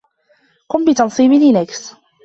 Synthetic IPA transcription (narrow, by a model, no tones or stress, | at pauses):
qʊmbɪt̪ɑnsˤiːbɪlinaks